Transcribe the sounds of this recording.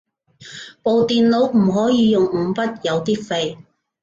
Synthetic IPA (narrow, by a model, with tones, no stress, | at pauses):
po˨wt̪iː˨nlo˨˧˥wm̩˨˩ɦɔː˨˥jiː˨˧jʊ˨ŋ̩˨˧pɐ˥t̚jɐ˨˧wt̪iː˥kfe˧j